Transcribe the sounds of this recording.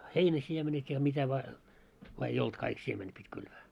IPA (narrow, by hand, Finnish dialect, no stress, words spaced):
heinæsiemenet jɑ mitæ ʋɑː ʋɑː ei olt kɑik siemenet pitʲ kylʋæː